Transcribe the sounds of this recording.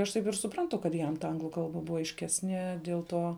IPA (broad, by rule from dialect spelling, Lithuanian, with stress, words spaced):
ɐʃ ˈtɐɪp ɪr sʊˈprɐntʊ kɐt ˈjɛm tɐ ˈɐŋɡlˠʊ ˈkɐlˠbɐ ˈbʊʋɐ ɐɪʃʲˈkʲæːsʲnʲiɛ dʲiɛlˠ ˈtuɔ